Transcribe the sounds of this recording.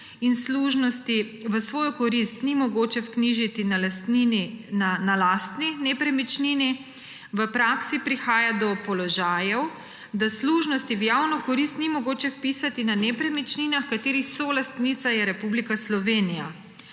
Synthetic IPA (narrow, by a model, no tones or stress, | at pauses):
insluʒnɔst̪iʋəsʋoːjɔkɔɾist̪nimɔɡoːt͡ʃɛwkniʒit̪inalast̪nininanalast̪ninɛpɾɛmit͡ʃnini | ʋəpɾaːksipɾixaːjad̪ɔpɔlɔʒaːjɛw | d̪asluʒnɔst̪iwjaːwnɔkɔɾist̪nimɔɡoːt͡ʃɛwpisat̪inanɛpɾɛmit͡ʃninaxkat̪eːɾixsolast̪nit̪sajɛɾɛpublikaslɔʋenija